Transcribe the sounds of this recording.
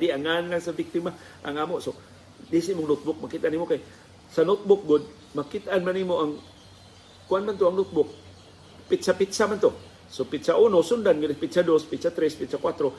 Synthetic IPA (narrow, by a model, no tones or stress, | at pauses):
diaŋanlaŋsabik̚t̪ima | ʔa̰ŋamoʔso | disaimʊŋnot̪̚bʊk̚makit̪ʔanimokaj | sanot̪̚bʊk̚ɡʊd̪̚ | makit̪anmanimoʔaŋ | kuanmant̪oaŋnot̪̚bʊk̚ | pit̪sapit̪samant̪o | sopit̪saʔunosund̪anɡʊd̪pit̪sadospit̪sat̪ɾɛspit̪sakwat̪ɾo